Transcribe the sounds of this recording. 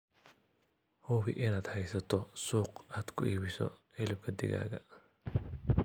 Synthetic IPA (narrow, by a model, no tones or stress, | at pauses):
huːβɪʔɪnaːd̪hɛjsɐt̪ʰɔsuːqaːd̪̥kʰʊiːβɪsɔ̰ | ɪlɪb̚kʰɐd̪ɪ̰ɣa̰ːɣɐ